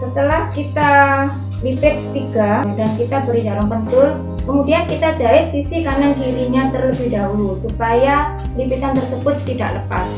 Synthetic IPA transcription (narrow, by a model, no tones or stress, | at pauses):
sət̪əlahkit̪a | lipɪt̪ːiɡadankit̪abəɾid͡ʒaɾaŋpənt̪ʊl | kəmudiankit̪ad͡ʒaɪt̪̚sisikanaɡiɾiɲat̪ərləbɪhdaulusupaja | lipit̪ant̪ərsəbʊt̪ːida̰ʔləpas